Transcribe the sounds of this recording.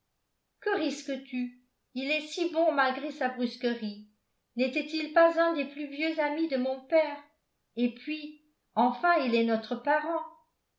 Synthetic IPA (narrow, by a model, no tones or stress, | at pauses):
kəʁiskət̪y | ilɛsibɔ̃malɡʁesabʁyskəʁi | nɛt̪ɛt̪ilpazɛ̃d̪eplyvjøzamid̪əmɔ̃pɛːʁ | epɥi | ɑ̃fɛ̃ilɛnɔt̪χəpaʁɑ̃